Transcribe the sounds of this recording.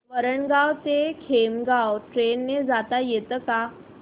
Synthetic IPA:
ʋəɾəɳɡawt̪ekʰemɡawʈɾenːed͡zat̪ajet̪əka

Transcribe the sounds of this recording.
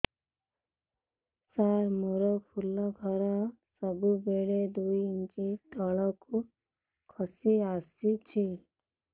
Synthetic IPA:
saɾmuɾɔkpʰulːɔɡʱɔɾasəbubeɭed̪uiint͡ʃit̪ɔɭɔku | kʰɔsiasit͡ʃʰi

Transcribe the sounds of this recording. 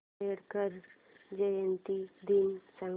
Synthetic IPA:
eɽkəɾ | d͡ʑəjənt̪id̪insã

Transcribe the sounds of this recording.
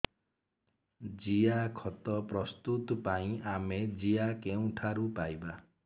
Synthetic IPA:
d͡ʒiakʰɔt̪ɔpɾɔst̪ut̪ɔpaĩamed͡ʒiakeũʈʰaɾupajba

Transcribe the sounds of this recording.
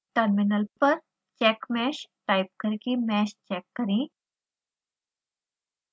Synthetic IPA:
ʈəɾminəlpəɾ | t͡ɕɛkmɛɕʈajp̚kəɾikimɛɕt͡ɕɛkːəɾi

